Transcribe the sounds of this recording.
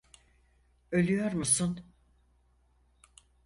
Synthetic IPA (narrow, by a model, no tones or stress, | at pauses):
ø̞lʲyjo̞ɾmusun